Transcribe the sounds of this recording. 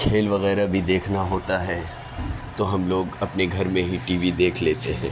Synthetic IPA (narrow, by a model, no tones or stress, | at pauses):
kʰeːlʋɐɣɛːɾabʱid̪eːkʰnaɦoːt̪aɦɛ | t̪oɦɐmloːɡɐpneɡʱɐɾmẽɦiʈiːʋid̪eːkʰleːt̪eɦɛ̰̃ː